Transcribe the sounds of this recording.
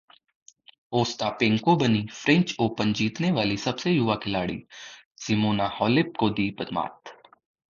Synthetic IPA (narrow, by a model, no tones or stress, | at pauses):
oːst̪apẽŋkobɐnifʰɾɪ̃ɲt͡ʃoːpənd͡ʒiːt̪neʋaːlisɐbsejʊʋakʰɪlaːɽḭːsɪmoːnahɔːlɪp̚kod̪iːpɐd̪ma̰ːt̪